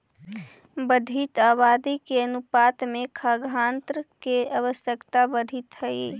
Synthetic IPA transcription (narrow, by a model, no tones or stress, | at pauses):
bəd̪ʱit̪aːβaːd̪ikeənupaːt̪mẽkʰaɡʱant̪ɾəkeaʋəsjəkt̪abəd̪ʱit̪ɦə